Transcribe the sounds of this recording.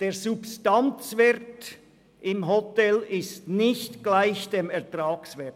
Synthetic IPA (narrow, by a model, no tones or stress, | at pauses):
d̥eːzupstant͡svɛʁt | ʔɪmɦotɛlɪstnɪçtɡ̥laɪçd̥eːmɛɐtʁaːksvɛɐt